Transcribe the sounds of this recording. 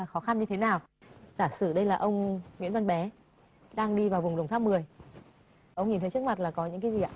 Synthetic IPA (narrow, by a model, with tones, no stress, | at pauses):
aː˨˩xɔ˨˦xa˧mɲɨ˧e˨˦naː˨˩w | zaː˧˩sɨ˧˩ɗə˧jlaː˨˩ʔə˧wŋ͡mŋwi˧˥ənvə˧nɓɛ˨˦ | ɗaː˧ŋɗi˧vaː˨˩wvʊ˨˩ŋ͡mɗə˨˩ŋ͡mt̪ʰaː˧mːɨ˨˩əj | ʔə˧wŋ͡mɲi˨˩nt̪ʰə˨˦t͡ɕɨ˦˥k̚ma˨˩t̚laː˨˩kɔ˨˦ɲɨ̰˧˥ŋkaː˨˦zi˨˩a̰ː˧˨